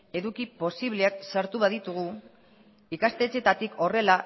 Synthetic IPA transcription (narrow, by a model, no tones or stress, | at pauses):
e̞ðukipo̞siβleaksaɾt̪uβaðit̪uɣ̞u | ikast̪e̞t͡se̞t̪at̪iko̞re̞la